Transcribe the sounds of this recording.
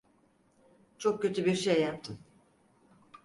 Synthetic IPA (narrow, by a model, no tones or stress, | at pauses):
t͡ʃʰok̚cøt̪ʰybiɾʃejːap̚t̪ʰɯm